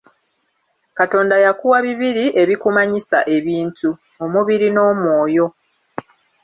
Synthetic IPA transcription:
kato̞ːndajakuwaβiβiɾiʔe̞βikumaɲisa̰ʔe̞βiːntu | o̞muβiɾino̞ːmwo̞ːjo̞

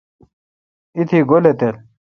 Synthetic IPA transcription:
it̪ʰiɡolet̪el

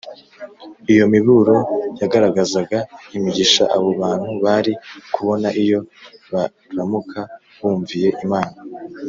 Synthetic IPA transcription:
ijo̞miβuɾo̞jaɡaɾaɡazaɡaimiɟiʃa̰ʔaβo̞βaːn̥huβaɾikuβo̞naʔijo̞βa | ɾamukʰa | βuːɱvije̞ʔimaːna

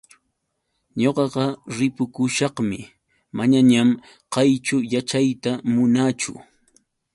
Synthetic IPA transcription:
ɲoqɑɢɑɾɪpʊkʊʃɑqmɪ | maɲaɲam | qɑjt͡ʃʊjat͡ʃajt̪amʊnat͡ʃʊ̰

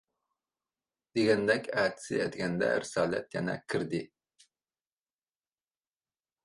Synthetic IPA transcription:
d̪̥eɡʲɛnd̪ɛkʲæt̪ʰɪ̥sɪ̰ɛ̰t̪ɡʲɛnd̪ɛ̰ɾɪsɑːlɛ̰t̪jɛnɛ̰kʲʰɪɾd̪ɪ

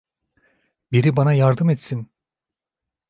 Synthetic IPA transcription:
biɾibanajaɾd̪ɯmɛt̪sin

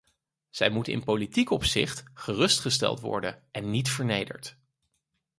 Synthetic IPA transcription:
z̥ɛjmutɪ̰npolitikɔpsɪχtχərɵstχəstɛ̰lˠtʋɔ̰ɹdənʔɛnːitfəɹnejdə̰ɹt

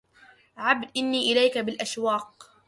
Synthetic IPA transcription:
ʕabd̪ʔɪnːiːʔɪlajkabɪlʔaʃwɑːq

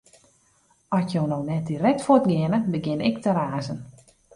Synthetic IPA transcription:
ɔsjownownɛt̚dirɛtfotɡɪənəbəɡɪnɪk̚təɾaːzən

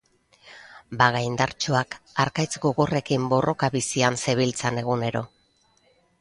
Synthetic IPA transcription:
baɣajnd̪aɾt͡ʃoakaɾkajt͡sɡoɣore̞kimbo̞ro̞kaβisianse̞β̞ilt͡sane̞ɣ̞une̞ɾo̞

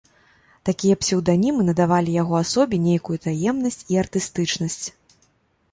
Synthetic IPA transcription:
t̪akʲijɐpsʲɛwd̪anʲimɨnɐd̪avalʲijaɣɔasɔbʲinʲejkujut̪ajɛmnɐsʲt͡sʲiɐrt̪ɨst̪ɨt͡ʂnɐsʲt͡sʲ

